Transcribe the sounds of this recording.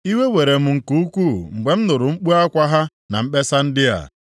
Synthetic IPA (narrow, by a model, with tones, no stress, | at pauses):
i˦we˦we˨ɾe˨m̩˨ŋ̩˨ku˦kʷu˦˨ŋ͡m̩˨ɡ͡be˨m̩˦nʊ˨ɾʊ˨ŋ͡m̩˦k͡pu˦a˦kʷa˦ɦa˦ | na̰˨m̩˦ɓe˦sa˦n̩˦dɪ˦a̰˨